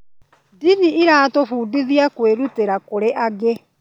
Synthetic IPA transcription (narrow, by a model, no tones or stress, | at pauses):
diniiɾaːtofuːdiðiakweːɾuteɾakoɾeʔaɣe